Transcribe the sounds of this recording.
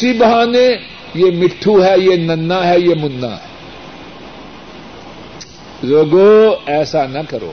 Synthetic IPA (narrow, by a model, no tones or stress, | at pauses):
sibɐɦãːnẽ | jemɪʈʰːuɦɛjenɐnːaɦɛjemʊnːa̰ɦɛː | zoːɡoːɛːsanɐkɐɾo̰ː